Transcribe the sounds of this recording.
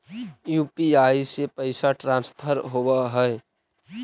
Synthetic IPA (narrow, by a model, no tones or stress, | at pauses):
juːpiaːisepəɪsaʈɾãːnspʰəɾɦowaɦɛɛ